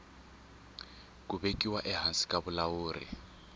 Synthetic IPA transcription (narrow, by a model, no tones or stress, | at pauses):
k̬ʼuβekʼiwaʔɛɦansi̥kʼaβulawuːrḭ